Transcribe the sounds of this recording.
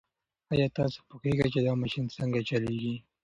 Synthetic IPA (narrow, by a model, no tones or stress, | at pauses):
ajɑt̪ɑso̥puxeɡajt͡ʃed̪ɑmaʃinsəŋɡat͡ʃaleɡi